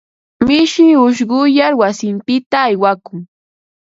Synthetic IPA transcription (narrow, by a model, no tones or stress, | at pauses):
mɪʃɪʊʃ̬ɢʊjaɾwasɪmpɪt̪aːjwakʊŋ